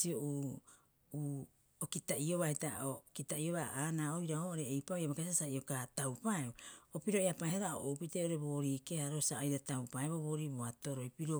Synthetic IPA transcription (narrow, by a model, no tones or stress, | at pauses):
sioʔuː | uː | okitaʔio̞βahitaokitaio̞βaaːnaːojɾaoʔoɾeːjpaojaβakasasaiokatawpaeoopiɾo̞eapajhaɾao̰ʔowpiteʔo̞ɾe̞bo̞ːɾiːkehaɾo̞saajɾatawpaeβoβo̞ːɾiboato̞ɾojpiɾo